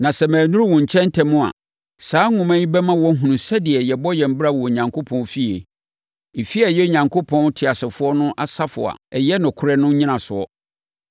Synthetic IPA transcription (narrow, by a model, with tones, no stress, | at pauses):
nã˨sɛ˨mæ̃ː˨nũ˦ɾwɔ̃˨ɲ˨t͡ɕʰɛ̃˦n˦tʰɛ̃˨mːʊ̃˦a̰˨ | saː˦ŋʊ̃˨mæ̃˦ɲĩ˦bɛ˦mã˦wɔ̃˦ɦũ˨nũ˨sɛ˦dɪ˨ɛ˨jɛ˨bɔ˦jɛ˨m̩˦bɪ˦ɾa˦˨wɔ˨ɲã˨ŋkʰo˦pʰɔ̃˦n˦fi˦e˨ | fi˦ɛ˨jɛ˦o˨ɲã˨ŋkʰo˦pʰɔ̃˦ntʰɪ˨a˨sɪ˨fʊ˦ɔ˦nʊ̃˦ʔa˨sa˦fʊ̰˨a̰˨ɛ˨jɛ˦nʊ̃˨kʰʊ˦ɾɛ˦nʊ̃˦ɲĩ˦nã˨sʊ˨ɔ̰˦